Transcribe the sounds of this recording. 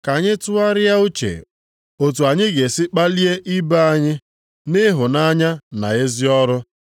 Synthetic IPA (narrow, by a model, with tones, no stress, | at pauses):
ka˨ɲɪ˦tʊ˦a˦ɾɪ˦ja˦u˦t͡ʃḛ˨ | o˨tu˨a˨ɲɪ˦ɡe˨sɪ˦k͡pa˦li˦e˦ʔi˦ba˦a˦ɲɪ˦ | nɪ˦ɦʊ˨na˦ɲa˦na̰˨e˦zi˦ɔ˦ɾʊ˦